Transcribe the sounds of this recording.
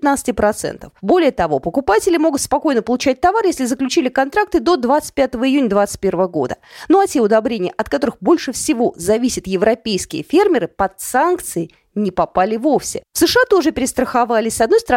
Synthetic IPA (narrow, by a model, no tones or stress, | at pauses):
t̪nat̪sɨ̥tʲɪpɾɐt̪sɛ̰nt̪ə̰fbo̞lʲɪjət̪ɐvo̞pəkʊpatʲɪlʲɪmo̞ɡʊt̪spɐko̞jnəpəlˠʊt͡ɕæt̚ʲt̪ɐvarjesʲlʲɪzəklʲʉt͡ɕilʲɪkɐnt̪ɾak̚t̪ɨd̪o̞d̪vat̪sɨ̥t̚ʲpʲat̪əvəɪjunʲəd̪vat̪sɨ̥t̚ʲpʲe̞rvəvəɡo̞̰d̪ənoɐtʲe̞ʊd̪ɐbɾʲenʲɪjəʔɐt̪̚kɐt̪o̞ɾɨxbo̞lʲʂɨfsʲɪvo̞zɐvʲisʲɪt̪jɪvɾɐpʲejskʲɪjə̰fʲermʲɪɾɨpɐt̪sankt̪sɨɪ | nʲɪpɐpalʲɪvo̞fsʲɪ̰fsɨʂɨat̪o̞ʐɨpʲɪɾʲɪst̪ɾəxavalʲɪsʲsɐd̪no̞jst̪əɾ